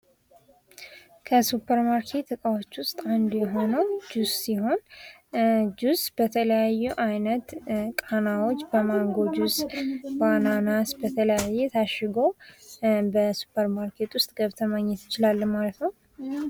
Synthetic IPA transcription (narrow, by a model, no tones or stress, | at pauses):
kʰəsupʰːəɾmaɾkʰe̞t̪ːɨkʼawot͡ʃːwʊst̪ʼand̪jɛɦo̞nəwd͡ʒuzsiɦo̞n | d͡ʒuzbət̪ʰələjajːuʔajnət̪kʼanawo̞t͡ʃːbəmaŋɡo̞d͡ʒuzbananasbət̪ʰələjajːɛt̪ʰaʃːɪɡo̞ | bəsu̥pʰəɾmaɾkʰe̞t̪wʊst̪ʼɡəβt̪ʰəmaɲːɛt̪jɪt͡ʃɪlalːəmalət̪nəw